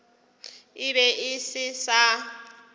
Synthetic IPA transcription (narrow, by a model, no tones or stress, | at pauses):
ɪbɛʔɪsɪsa